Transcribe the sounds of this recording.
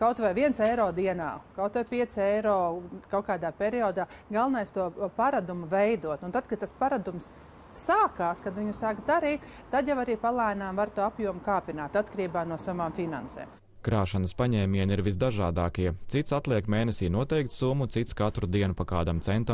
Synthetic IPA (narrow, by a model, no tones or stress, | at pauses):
kawt̪vajʋiɛnsɛjɾɔːd̪iɛna̰ːkawt̪vajpiɛt̪sɛjɾɔːkawkaːd̪aːpʲeɾiɔːd̪aːɡalˠnajst̪uɔpaɾad̪umuvɛjd̪uɔt̪unt̪ad̪̚kad̪̚t̪aspaɾad̪umsː | aːkaːskad̪ʋiɲusaːkd̪aɾiːt̪ | t̪ːad̪javaɾiːpalˠajnaːmvaɾt̪uapjuɔmukaːpinaːt̪at̪kɾiːbaːnuɔsaʋaːmfina̰nsḛːm | kɾaːʃanəspaɲɛːmʲiɛniɾʋizd̪aʒaːd̪aːkiɛt̪sit̪sat̪lˠiɛkmeːnɛsiːnuɔt̪ɛjk̚t̪sumut̪sit̪skat̪ɾud̪iɛnupakaːd̪amt̪sɛnt̪am